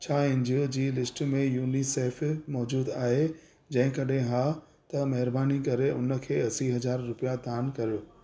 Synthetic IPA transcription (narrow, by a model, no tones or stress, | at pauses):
t͡ɕʰaːɪ̃ɲd͡ʑod͡ʑiːlɪsʈmẽjuːniseːfmɔːd͡ʑuːd̪aːɦe | d͡ʑɐ̃ɦɪ̃kɐɗɦẽɦaː | t̪ɐmɐɦɪɾbaːnikɐɾeʊnə̆kʰeːɐsiɦɐzaːɾːʊpijat̪aːnkɐɾɪɽʊ